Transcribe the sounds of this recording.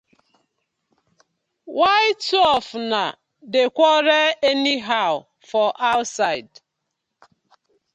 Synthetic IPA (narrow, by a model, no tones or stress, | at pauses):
waɪtɔfna | dekʷɔɾɛeniɦaʊ | fɔʔaʊtsaɪd